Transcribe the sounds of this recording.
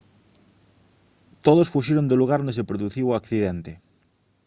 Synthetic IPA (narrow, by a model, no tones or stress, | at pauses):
t̪oðosfuʃeɾond̪eluɣ̞aɾnesepɾoðuθiwakθiðent̪e